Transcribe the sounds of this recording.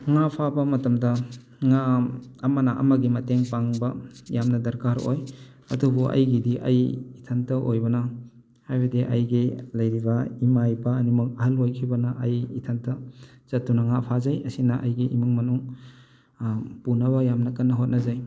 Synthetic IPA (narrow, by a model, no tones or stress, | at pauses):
ŋapʰabɐmɐtɐmdɐ | ŋaːmɐnaʔɐ̰mɐɡimɐteŋpaŋbɐjamnɐdɐɾkaɾo̰j | ɐ̰dubuʔɐ̰jɡidiʔɐjitʰɐntɐʔojbɐnɐ | hajbɐdiʔɐ̰jɡilɐjɾibɐimajbɐːnimɐk̚ɐɦɐlojkʰibɐnɐʔɐjitʰɐntɐz̥ɐtːunɐŋapʰazɐjɐsinɐʔɐjɡiʔimuŋmɐnuŋ | punɐβɐjamnɐkɐnːɐɦot̚nɐzaj